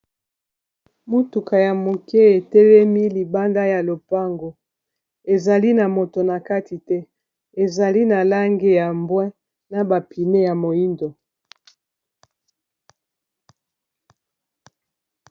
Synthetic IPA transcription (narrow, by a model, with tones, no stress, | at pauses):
mu˦tu˨ka˨ja˨mo˨ke˦e˨tɛ˦lɛ˦mi˦li˨ba˦nda˦ja˨lo˨pa˦ŋɡo˨ | e˨za˨li˦na˨mo˨to˨na˨ka˦ti˨tɛ˦ | e˨za˨li˦na˨la˦ŋɡe˦ja˨mbwɛ̃˦ | na˨ba˨pʰi˨ne˦ja˨mo˨i˦ndo˨